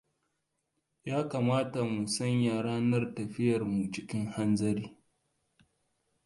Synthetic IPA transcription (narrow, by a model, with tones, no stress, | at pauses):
jaː˦kaː˨maː˦ta˨mu˨sɐ˦ɲjaː˨ɽaː˦nɐ˦rtɐ˨ɸɪ˦jɐ˨rmu˨t͡ʃɪ˦kʲɪ˦ŋha˦nzɐ˦ɾiː˦